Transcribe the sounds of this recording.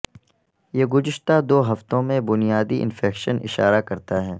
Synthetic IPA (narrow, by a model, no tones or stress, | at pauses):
jeːɡʊzɪʃt̪ad̪oːɦɐft̪õmẽbʊnijaːd̪iʔɪ̰nfɛːkʃənɪ̰ʃa̰ːɾakɐɾt̪aɦɛː